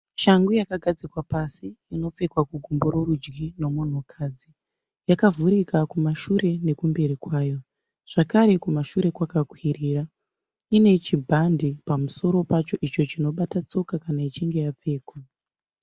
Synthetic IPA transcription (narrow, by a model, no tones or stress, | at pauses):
ʃaŋɡujakaɡʱad͡zikwapasiino̞p͡fe̞kwakuɡʱombo̞ɾo̞ɾud͡ʒɡino̞mon̤okʰaːd͡zi | jakavuɾikakumaʃuɾe̞ne̞kumbe̞ɾikwaːjo̞ | ʐ̥akaɾe̞kumaʃuɾe̞kwakakwiriːra | ine̞t͡ʃibʱandipamuso̞ɾo̞pat͡ʃo̞ʔit͡ʃo̞t͡ʃino̞ɓatat͡so̞kakanait͡ʃiŋɡe̞jap͡fe̞ːkwa